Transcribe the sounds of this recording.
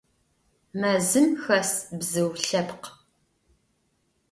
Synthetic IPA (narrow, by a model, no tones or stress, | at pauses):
mɐzɨmxɐsbzɨwɬɐpq